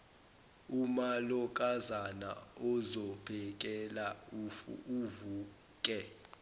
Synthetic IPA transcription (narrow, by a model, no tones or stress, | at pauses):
umalɔk̬ʼazana̰ɔzɔpʰɛk̬ʼɛla̰ | uvuː | kʼɛ